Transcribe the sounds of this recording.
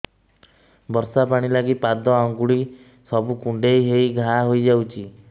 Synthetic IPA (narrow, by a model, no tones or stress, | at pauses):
bɔɾsapaɽ̃ilaɡipad̪ɔɔŋɡuɽi | sɔbukuɳɖejɦejɡʱaɦojd͡ʒawt͡ʃʰi